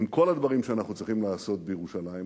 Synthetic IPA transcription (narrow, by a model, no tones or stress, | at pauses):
mko̞lad̪vaʁimʃeanaχnut͡sʁiχimlaːso̞t̪̚bejeʁuʃalajim